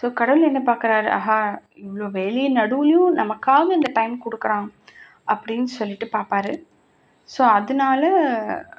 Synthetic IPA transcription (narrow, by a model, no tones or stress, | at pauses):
soːkɐɽɐʋɯlɛnːɐpaːɾkɪɾaːɾɯa̰ːɦaːɪʋɐɭoːʋeːlɛjɐnɐɽɯʋɐlɪjʊ̃nɐmɐkːaːɣɐɪnd̪ɐʈɐɪmkɔɽɯkːɐɾãː | ʔɐpːɐɽɪnːɯsɔlːɪʈːɯpaːɾpaːɾɯ | soːɐðɯnaːlɐ